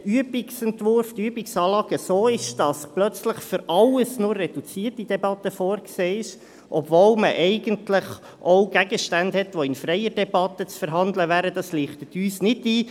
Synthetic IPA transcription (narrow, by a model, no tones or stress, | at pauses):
yəbɪksɛntvʊɾfd̥yəbɪksɑːlɑːɡ̥əsoːɪʃd̥ɑsplœt͡sləχfʏɾɑləsnʊrːɛd̥ut͡siːətid̥̪ɛbɑtəfoːɾkseːɪʃ | ʔɔbvolməʔɛɪɡəntlɪχ | ʔɔwɡ̥æɡəʃtændhɛtʋoɪnfɾɛjəɾdɛbɑtːət͡sfəɾɦɑnd̪ləvæːɾəd̪ɑsliːχt̪ət̪yːsnɪdiː